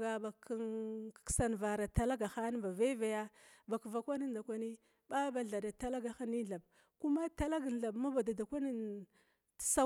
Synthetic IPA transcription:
ɡa˨ba˨ka˦n˨sa˨n˨va˨ɾa˨ta˦la˦ɡa˨xa˦n˦ba˨ve˦va˨ja˦ba˨kva˨kʷa˦ni˦nda˨kʷa˦ni˦ | ba˦ba˨ɮa˨da˨ta˦la˦ɡa˨xa˦ni˦ɮa˨b̚ | ku˦ma˦ta˦la˦ɡɬa˨bma˦ba˨da˨da˨kʷa˦ni˦n˨ | sa˦

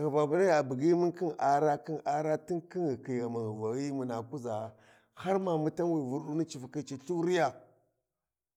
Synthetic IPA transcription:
ɣa˨ba˨bu˦na˦ja˨bi˨ɡi˦mi˦nki˦na˨ɾa˦ki˦na˦ɾa˦ti˦nki˦ŋi˨ki˨ɣa˨ma˨ŋ˨va˨ɣi˦mu˨na˨ku˦za˨ | ha˦ɾma˨mu˦ta˦nwi˨vu˦ɾɗu˦ni˦t͡ʃi˨fa˨ki˦t͡ʃi˦ɬu˦ɾi˦ja˨

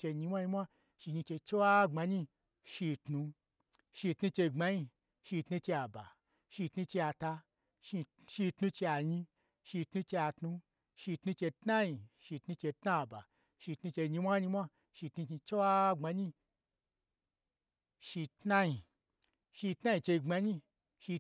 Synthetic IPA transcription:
t͡ʃe˧ɲi˧mʷ˦a˦ɲi˧mʷa˦ | ʃi˧ɲĩ˧t͡ʃe˧t͡ʃe˦wa˦ŋ͡ma˧ɲi˦ | ʃi˧tnu˧ | ʃi˧tnu˧t͡ʃe˧ŋ͡ma˧ɲi˧ | ʃi˧tnũ˧t͡ʃe˧a˨ba̰˨ | ʃi˧tnu˧t͡ʃe˧a˧ta˧ | ʃi˧ | ʃi˧tnu˧t͡ʃe˧a˨ɲĩ˧ | ʃi˧tnũ˧t͡ʃe˧a˧tnũ˧ | ʃi˧tnu˧t͡ʃe˧tna˦ji˨ʃi˧tnu˧t͡ʃe˧tna˦˨ba̰˨ | ʃi˧tnu˧t͡ʃe˧ɲi˧˦mʷa˦ɲi˧mʷa˦ | ʃi˧tnu˧t͡ʃi˧t͡ʃe˦wa˦ŋ͡ma˧ɲi˦ | ʃi˧tna˦ji˨ | ʃi˧tna˦ji˧t͡ʃe˧ŋ͡ma˧ɲĩ˧ | ʃi˧

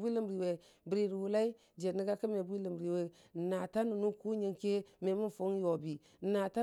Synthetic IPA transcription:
bi˦lə˦mɾi˨we˨ | bɾi˨ɾu˨hu˨la˦i˦ | d͡ʒe˨ni˦ɡa˦kə˦me˨bʷi˦lə˨mɾi˨we˨ | na˨ta˦nu˨nu˦ku˦ɲe˨ŋke˦me˨mu˦n˨fo˦ŋ˦jo˨bi˨˦ | na˨ta˦

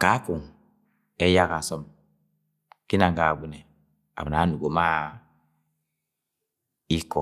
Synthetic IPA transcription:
ka˨˦ku˨ŋ | ɛ˦ja˦ka˨sɔ˦m | ki˦na˨ŋɡa˨ɡʷu˦nɛ˨ | a̰˨ba˨na˨˦nu˨ɡo˨ma˦ | i˦kɔ˨

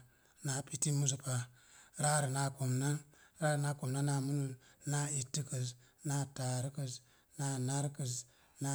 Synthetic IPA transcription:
na˨pi˦ti˦mu˦s̬u˨pa˨ | ɾa˦ɾi˨na˨ku˨mna˦ɾa˦ɾi˨na˦ko˨mna˦na˨mu˦nu˨na˦i˨tːi˦kə˨s | na˦ta˨ɾkə˨s | na˨˦na˦ɾkə˨s | na˦

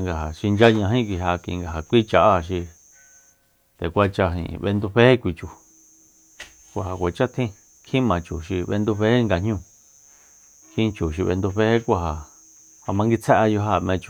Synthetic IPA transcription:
ŋɡa˨ɦa˨ʃi˧nd͡ʒa˦ɲã˧ɦĩ˦˧kʷi˧ɦa˧kḭ˧ŋɡa˨ɦa˨kʷi˦t͡ʃa˧ʔa˦˨ʃ̬i˧ | t̪e˨kʷa˧t͡ʃa˧ɦḭ̃˨˧βḛ˧nd̪u˧ɸe˦e˦kʷi˧t͡ʃu˨ | kʷa˧˨ha˨kʷe˨t͡ʃa˦t̪ʰĩ˦ | kʰĩ˦mã˨˧t͡ʃu˨ʃi˧βe˧nd̪u˧βe˦e˦ŋɡa˧ɲũ˦˧ | kʰĩ˦˧t͡ʃu˨ʃ̬i˧βḛ˧nd̪u˧ɸe˦he˦kʷa˧ha˨ | ha˧mã˧ŋɡi˧t͡sʰe˦ʔa˧jo˧ɦa˦˧˨mẽ˧t͡ʃu˨

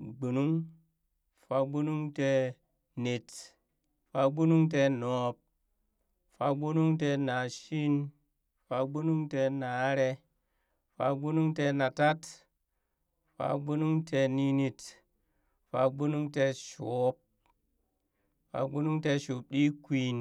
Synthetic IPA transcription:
ɡ͡bu˨nu˦ŋ | fa˧ɡ͡bu˦nu˦ŋte˧ | ne˨t | fa˧ɡ͡bu˦nu˦ŋt̬e˧no˨p̚ | fa̰˦ɡ͡bu˦nu˦ŋt̬e˧na˨ʃi˦n | fa˧ɡ͡bu˦nu˦ŋte˧na˨˦ɾe˧ | fa˧ɡ͡bu˦nu˦ŋte˧na˨ta˦t | fa̰˨ɡ͡bu˦nu˦ŋte˧ni˦ni˧t | fa˨ɡ͡bu˦nu˦ŋte˧ʃo˨˦p̚ | fa̰˨ɡ͡bu˦nu˦ŋte˧ʃu˨p̚ɗi˦kʷi˨˦n

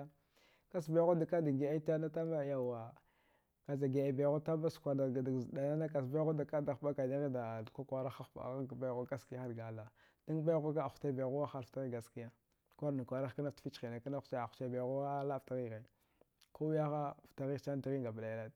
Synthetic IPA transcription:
ka˦s̬ba˦ɣo˦da˨ka˦da˨ɡe˨a˦ta˦na˦ta˦ma˦ja˨wa˨ | ka˨za˨ɡe˨a˨ba˨jɣo˦ta˦ba˦skʷa˨da˨a˨da˨zda˨na˦na˦ka˨s̬ba˦ɣo˦da˨ka˦da˨xba˦ka˨na˦ɣi˦da˨dka˦ka˦ɾa˦xa˦xba̰˨ɣa˦ɡba˦˨ɣu˦ka˦ski˦jxa˦ɾɡa˨la˨ | d̥a˦ɡba˦jɣu˦ka˦a˨xu̥˨ta˦˨ba˨ɣu˦wa˦xa˦lfta˦ɣi˦ɡa˨ski˦ja˦ | kʷa˦ɾna˨kʷa˨ɾa˦xa˦na˦tfi˦t͡ʃi˨na˨ka˦na˦xt͡ʃa˦ḁ˨t͡ʃa˦˨ba˨ɣu˦wa˦la˦˨fta˦ɣi˦ɣa˨ | ko˦wja˦xa˦˨fta˨ɣi˦t͡ʃa˦n˦di˨ɣi˦ɡa˨bla˨ja˨la˦˨

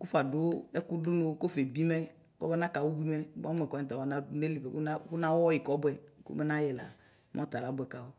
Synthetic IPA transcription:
ku˦fa˨dʊ˦ɛ˦ku˦du˦nu˦ko˦fe˨bi˦mɛ˦ | kɔ̰˦bɛ˦nã˦ka˨wu˦bi˦mɛ˦ba˦mɛ˨kɔ˨˦˨t̪a˨wa˨˦na˦ne˦li˨be˨ka˦ku˦nã˦wɔ˦ji˨kɔ˨˦bɛ˨kṵ˦mɛ˦nã˦jɛ˨la̰˨˦ | mʔɔ̰̃˦t̪a˨la˨˦bʊ˦ɛ˨ka˨wo˦

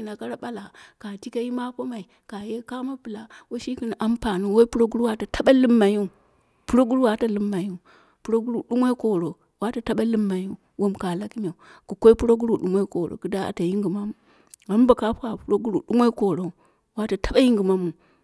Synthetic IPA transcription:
i˨na˨ka˦ɾa˦ɓa˦la˨ka˨ti˦ka˦ji˦ma˦ko˦ma˨i˨ | ka˨je˦ka˦ma˦pɨ˨la˨wo˦ʃi˦ki˦n˨ʔa˦mpa˨nu˦wo˦i˦pu˦ɾo˦ɡu˦ɾu˦wa˦ta˨ta˦ɓa˦lɨ˦mːa˨ju˦ | pu˦ɾo˦ɡu˦ɾu˦wa˦ta˨lɨ˦mːa˨ju˦ | pu˦ɾo˦ɡu˦ɾu˨ɗu˦mo˦i˦ko˨ɾo˨ | wa˦ta˨ta˦ɓa˦lɨ˦mːa˨ju˦ | wo˦mka˨la˦ki˦mʲe˨u˨ | ku˨ko˦i˦pu˦ɾo˦ɡu˦ɾu˦˨ɗu˨mʷo˦ko˨ɾo̰˨ku˨da˦a̰˨ta˨ji˦ŋɡu˨ma˦mu˦ | a˨˦m˦ba˨ka˦pa˨pu˦ɾo˦ɡu˦ɾu˨ɗu˦mo˦i˦ko˨ɾo˨u˨ | wa˦ta˨ta˦ɓa˦ji˦ŋɡu˨ma˦mu˨

